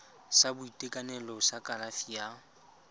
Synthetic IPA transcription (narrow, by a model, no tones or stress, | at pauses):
sabʊitʼekʼanɛlɔsakʼalafija